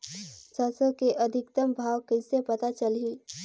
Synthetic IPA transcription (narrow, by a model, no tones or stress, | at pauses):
səsəkeʔɐd̪ʱɪkt̪əmbʱaːʋkɪsepɐt̪at͡ʃɐliː